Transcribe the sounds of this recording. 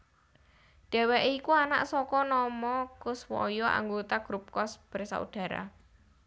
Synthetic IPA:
ɖ̥ɛ̤wɛʔikuana̰ʔsɔkɔnɔmɔkʊswɔ̰jɔʔa̰ŋɡot̪aɡ̥ɾup̚kɔsb̥əɾsa̰ṵɖ̥a̤ɾa̰

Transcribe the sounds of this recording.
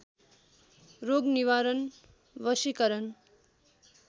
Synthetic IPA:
roɡniwaɾʌn | ʋʌsikʌɾʌn

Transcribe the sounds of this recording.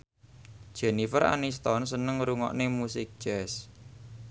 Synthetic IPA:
d̥ʒ̥ɛnifəɾa̰nist̪ɔnsənəŋɾuŋɔ̰ʔnemusɪk̚d͡ʒɛs

